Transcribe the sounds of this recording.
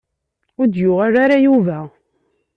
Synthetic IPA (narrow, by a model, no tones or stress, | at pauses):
ʊɾd̪jʊʁaɾaɾajuvæ